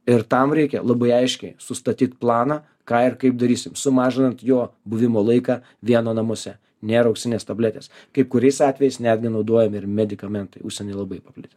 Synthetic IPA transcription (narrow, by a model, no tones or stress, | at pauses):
ɪɾt̪ɐmɾʲɛɪkʲɛ̰lˠɐbɐɪɐɪʃʲkʲɛɪsʊst̪ɐt̪ʲiːt̪plˠɑːnɑː | kɑːɪrkɐɪp̚d̪ɐɾʲiːsʲɪmsʊmɑːʒʲɪnɐnt̪joːbʊʋʲɪmoːlˠɐɪkɑ | ʋʲiɛnoːnɐmoːsʲɛ | nʲeːɾɐʊkʲʃʲsʲɪnʲeːst̪ɐbʲlʲɛt̪ʲeːs | kɐɪp̚kʊɾʲɛɪsɑːt̪ʲʋʲɛjɛɪsnʲæːd̪ʲɡʲɪnɒʊd̪oːjɛmɪɾmʲɛd̪ʲɪkɐmʲɛnt̪ɐɪʊʃʲsʲɛnʲɛɪlˠɐbɐɪpɐpʲlʲɪt̪ʲe